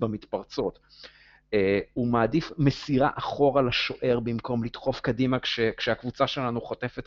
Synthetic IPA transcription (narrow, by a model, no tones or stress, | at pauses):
bamit̪paʁt͡so̞t̪ | eumaːdifmesiʁa̰ʔaχo̞ʁalaʃo̞ʔe̞ʁbimko̞mlit̪χo̞fkadimakʃekʃeakvut͡saʃe̞lanuχote̞fet